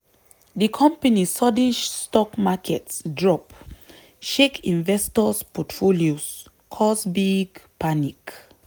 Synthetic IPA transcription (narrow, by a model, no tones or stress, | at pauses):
dikʰɔ̃mpanisɔdid͡ʒstɔkmakʰɛtsdɹɔp | ʃekʰĩnvɛstɔspɔtfolios | kʰɔsbiɡpʰanik